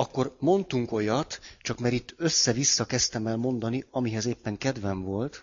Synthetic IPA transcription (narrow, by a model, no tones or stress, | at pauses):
ɒkːo̞rmo̞nt̪uŋko̞jɒt̪t͡ʃɒkmɛɾit̪ːøsːɛvisːɒkɛst̪ɛmɛlmo̞nd̪ɒniɒmiɦɛzeːpːɛŋkɛd̪ʋɛɱvo̞lt̪